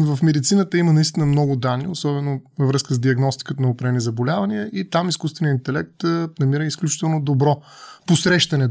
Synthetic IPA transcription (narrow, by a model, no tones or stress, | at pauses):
vɐfmɛd̪it̪sinət̪əimənɐist̪inəmnɔɡʊd̪anːiosɔbɛnovəvɾɤskəzd̪iɐɡnɔst̪i̥kət̪nɐopɾɛnizɐbolʲavɐniəʔit̪amiskust̪vɛnijəint̪ɛlɛk̚t̪nɐmiɾəisklʲut͡ʃi̥t̪ɛlˠnod̪obɾɔposɾɛʃt̪ɐnɛ